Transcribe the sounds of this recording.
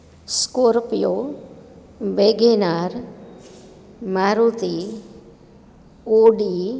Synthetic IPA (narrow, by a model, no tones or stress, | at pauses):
skoɾpijo | beːɡenaɾ | maːɾot̪i | oːɖi